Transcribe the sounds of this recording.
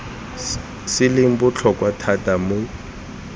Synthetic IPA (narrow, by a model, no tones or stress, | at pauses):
sɪlɪm̩bʊt͡ɬʰɔkʼwatʰatʼamʊ